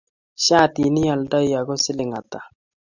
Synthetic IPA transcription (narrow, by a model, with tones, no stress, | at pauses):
ɕa˦˨ti˨nɪ˦ja˨lda˦ja˨ɡɔ˦sɪ˦lɪ˨ŋa˨t̪a˨